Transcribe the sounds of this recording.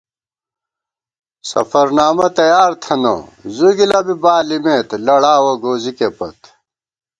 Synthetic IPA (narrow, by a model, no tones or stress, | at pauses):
sɐ̰fɐɾnaːmɐt̪ɐjaːɾt̪ʰɐno̰zuɡilɐbibaːlimeːt̪lɐɽaːwoɡoːzikepɐt̪